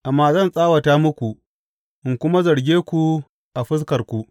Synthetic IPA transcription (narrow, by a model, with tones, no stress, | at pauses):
ʔa˨mːaː˦zɐ˦˨nsʼaː˦wɐ˨taː˦mʊ˦kʷu˨ | ʔɪ˨ŋkʷʊ˦ma˦zɐ˨ɽɡʲeː˦kʷu˨ | ʔa˨ɸɪ˦s̬kɐ˨rkʷu˦˨ʔ